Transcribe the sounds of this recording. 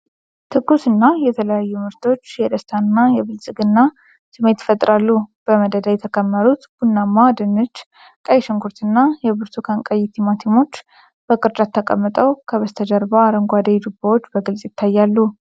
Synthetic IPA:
t̪ʰɨɡusɨnːajɛt̪ʰələjajːumɨɾt̪ʰo̞t͡ʃːjɛd̪əst̪ʰanːajɛβɨlsʼɨɡɨnːa | sɨme̞t̪fət̪ʼɾalːub̥əməd̪əd̪ajɛt̪ʰəkʰʼəmːəɾut̪b̥unːamːad̪ɨnːɨt͡ʃː | kʼəjʃɪŋkʰuɾt̪ʰɨnːajɛβɨɾt̪ʰukʰaŋkʼəjːɪt̪ʰimat̪ʰimo̞t͡ʃː | b̥əkʼɨɾd͡ʒʼat̪ʰːəkʼə̰mːɨt̪ʼəwkʰəβəst̪ʰəd͡ʒəɾbəaɾəŋɡʷad̪ed̪ubawot͡ʃːbəɡɨlsʼjɪt̪ʰːajːalːu

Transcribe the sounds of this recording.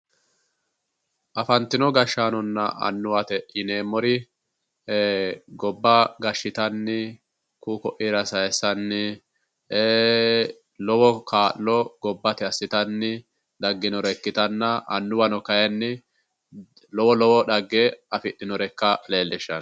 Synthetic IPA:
ʔɐfɐnt̪ɪnɔɡɐʃːaːnɔnːɐ̰ɐ̰nːʊwɐt̪ɛʔɪneːmɔɾɪ | ɡɔbːɐɡɐʃːɪt̪ɐnːɪ | kuːkɔʔiɾɐsɐjɛsɐnːɪ | e | lɔwɔkaːʔlɔɡ̥ɔbːɐt̪ɛɐsːɪt̪ɐnːɪ | ᶑ̪ɐɡːɪnɔɾɛkːɪt̪ɐnːɐɐ̰nːʊwɐnɔkɐjɐnːɪ | lɔwɔlɔwɔᶑɐɡːeɐfɪɗːɪnɔɾɛkːɐleːlːɛʃːɐn

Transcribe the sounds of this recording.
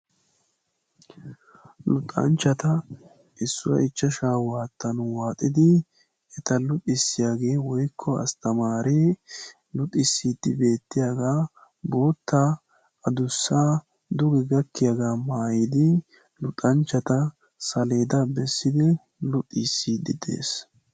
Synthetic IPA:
lʊt̪ʼːɐ̰nt͡ʃːɐt̪ɐ | ʔɪsːʊwɐ̰ʔɪt͡ʃːɐʃaːwaːt̪ːɐnʊwaːt̪ʼːɪd̪ɪ | ɛt̪ɐlʊt̪ʼːɪsːɪjaːɡe̞ːwɔjkʰːɔɐ̰st̪ɐmaːɾe | lʊt̪ʼɪsːiːt̪ːɪbe̞ːt̪ːɪjaːɡaː | bo̞ːt̪ːa | ɐd̪ʊsːaː | d̪ʊɡɛɡɐkːɪjaɡaːmaːjɪd̪ɪ | lʊt̪ʼːɐnt͡ʃːɐt̪ɐ | sɐle̞ːd̪ɐbɛsːɪd̪ɪ | lʊt̪ʼːisːiːd̪ɪd̪e̞̰ːs

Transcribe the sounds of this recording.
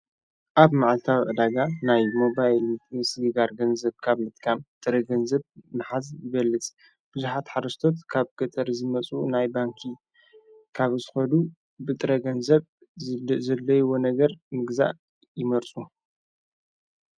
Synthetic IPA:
ʔaβmaʕlt̪ʰawʔɨd̪aɡanajmo̞bajlmɨt̪sɨɡɨɡaɾɡɐnzɐβkʰaβmɨt̪̚ʼkʰamt̪ʼɨɾɐɡɐnzɐβnɨħazjɪbɐlːɨt͡sʼ | b̥ɨzuħat̪ħaɾɐst̪ʰo̞t̪kʰaβkʰɐt̪ʰɐɾzɨmɐt͡sʼunajbaŋkʰi | kʰaβzɨxɐd̪u | bɨt̪ʼɨɾɐɡɐnzɐβ | zɐlːɐjɪwo̞nɐɡɐɾmɨɡza̰ʔ | jɪmɐɾt͡sʼu

